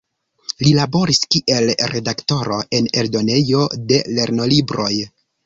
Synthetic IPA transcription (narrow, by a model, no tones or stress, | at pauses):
lilabo̞ɾiskiʔe̞lɾe̞dakto̞ɾoʔe̞ne̞ldo̞ne̞jo̞de̞le̞ɾno̞libɾo̞j